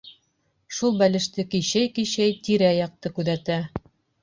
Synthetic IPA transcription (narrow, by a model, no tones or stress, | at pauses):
ʃulˠbælɘ̆ʃt̪ɘkiɕæjkiɕæjt̪iɾæjɑq̚t̪ɤkʉðæt̪æ